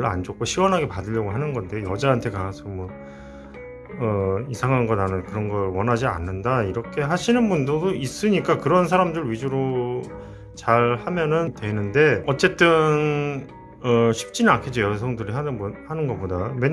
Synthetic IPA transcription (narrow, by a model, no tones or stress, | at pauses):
ɭa̰nd͡ʑok͈oɕʰiɡwʌnɦaɡe̞padɯʎːjʌɡoɦanɯnɡʌnde̞ojʌd͡ʑaɦantʰe̞kaasʰʌmwʌ | ʌisʰaŋɦannɡʌdanɯnkɯɾʌnɡʌɾwʌnɦad͡ʑia̰nːɯndaiɾʌkʰe̞ɦaɕʰinɯnbundodois͈ɯɲik͈akɯɾʌnsʰaɾamdɯɭɥid͡ʑuɾo | t͡ɕaɭhamjʌnɯntwe̞nɯnde̞ʌt͡ɕ͈e̞t͈ɯn | ʌɕʰi̥p̚t͡ɕ͈inankʰed͡ʑojʌsʰʌŋdɯɾiɦanɯhanɯnɡʌp͈odame